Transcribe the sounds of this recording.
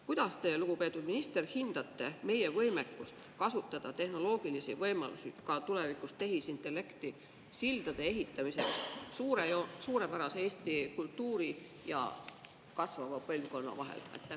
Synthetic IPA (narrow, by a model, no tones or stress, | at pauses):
kujd̪̥ɑst̪e̞luɡ̥upe̞ːt̪ːˑud̪̥minist̪erhind̪̥ɑt̪ˑːe̞me̞je̞vɤ̞jme̞kːˑust̪kɑsut̪ːˑɑd̪̥ɑt̪e̞hno̞lo̞ːɡ̥ilisivɤjmɑ̰lusḭkɑt̪ule̞vikˑust̪e̞ɦisint̪ːˑe̞lːe̞kt̪i | sild̪̥ɑd̪̥e̞eɦit̪ːˑɑmise̞kssuːɾeosuːɾe̞pæɾɑseeːst̪ikult̪ːuːɾi | jɑ̰ | kɑsvɑvɑpɤlʲvko̞nːɑ̰vɑ̰ɦḛlḛt̪ː